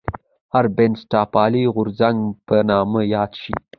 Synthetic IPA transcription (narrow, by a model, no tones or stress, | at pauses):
haɾbensʈɑpɑliɣʊɾzaŋɡpənɑməjɑd̪ʃḭ